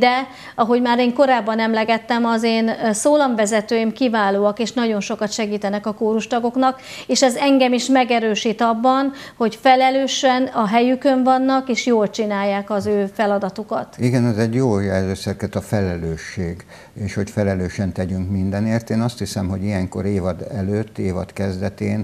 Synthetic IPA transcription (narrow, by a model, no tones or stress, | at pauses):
d̪ɛ | ɒɦo̞ɟmaːɾeːŋko̞ɾaːbːɒnɛmlɛɡɛt̪ːɛmɒzeːnsoːlɒɱvɛzɛt̪øːjimkivaːloːɒkeːʃnɒɟo̞nʃo̞kɒt̪ʃɛɡiːt̪ɛnɛkɒkoːɾuʃt̪ɒɡo̞knɒk | eːʃɛzɛŋɡɛmiʃmɛɡɛɾøːʃiːt̪ɒbːɒnho̞cfɛlɛløːʃɛnɒɦɛjykø̞ɱvɒnːɒkeːʃjoːlt͡ʃinaːjːaːkɒzøːfɛlɒd̪ɒt̪ukɒt̪iɡɛnɛzɛɟjoːjɛlzøːsɛrkɛt̪ɒfɛlɛløːʃːeːɡ | eːʃho̞cfɛlɛløːʃɛnt̪ɛɟyŋkmind̪ɛneːrt̪eːnɒst̪hisɛmho̞ɟijɛŋko̰ɾeːvɒd̪ɛløːt̪ːeːvɒ̰t̪kɛzd̪ɛt̪eːn